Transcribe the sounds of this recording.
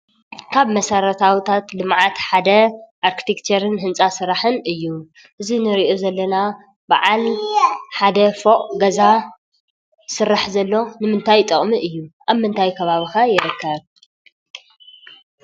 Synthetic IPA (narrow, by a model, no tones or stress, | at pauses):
kʰaβmɐsɐɾɐt̪ʰawit̪ʰat̪lɨmʕat̪ħad̪ɐʔaɾkʰi̥t̪ʰekt͡ʃʰɐɾɨnɦɨnt͡sʼasɨɾaħɨnɨjːu | ʔɨzinɨɾiʔo̞zɐlːɐna | baʕal | ħad̪ɐfoqʼɡɐza | sɨɾːaħzɐlːo̞nɨmɨnt̪ʰajt̪ʼɨχʼmiʔɨjːuʔaβmɨnt̪ʰajkʰɐβaβixajɪɾɨkʰːɐβ